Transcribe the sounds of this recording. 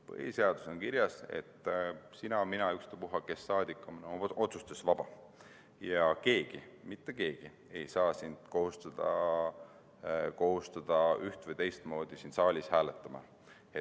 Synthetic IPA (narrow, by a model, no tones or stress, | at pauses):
pɤ̰hise̞ɑd̪̥u̥sonkiɾjɑse̞̰t̪ːˑsinɑminɑykst̪epuɦɑke̞sːɑːd̪̥ikːˑominoo̞t̪sust̪esvɑb̥ɑ | jɑke̞ːɡ̥imit̪ːe̞ke̞ːɡ̥i | e̞jsɑːsind̪̥ko̞hust̪ɑd̪̥ɑ̰ | ko̞ɦust̪ɑd̪̥ɑyht̪vɨjt̪e̞jst̪mo̞ːd̪̥isind̪sɑːlʲishæːlet̪ːˑɑmɑ̰ | e